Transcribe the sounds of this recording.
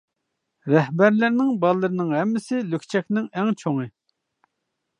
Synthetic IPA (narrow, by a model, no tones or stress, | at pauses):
ɾɛhbæɾlɪɾnɪŋbɑlˠːɨɾɨnɪŋɦɛmːɪsɪlykʲt͡ʃʰɛkʲnɪŋɛŋt͡ʃʰoŋɨ